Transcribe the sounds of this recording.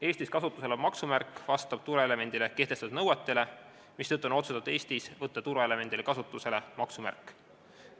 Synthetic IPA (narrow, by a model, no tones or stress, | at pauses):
e̞ːsʲt̪iskɑsut̪ːˑuse̞lemɑksumærkːˑvɑst̪ɑb̥̚t̪uɾeele̞me̞nd̪̥ileke̞hd̪e̞st̪ɑd̪nɤwet̪ːe̞le | mist̪ɤt̪ːˑuno̞t̪sut̪ɑd̪̥e̞ːst̪isvɤt̪ːˑɑt̪uɾeele̞me̞nd̪̥ilekɑsut̪ːˑuse̞le̞mɑksumæ̰rkːˑ